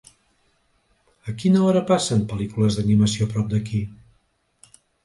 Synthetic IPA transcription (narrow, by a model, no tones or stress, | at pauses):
əkinəɔɾəpasəmpəlikuləzðəniməsiopɾɔp̚d̪əki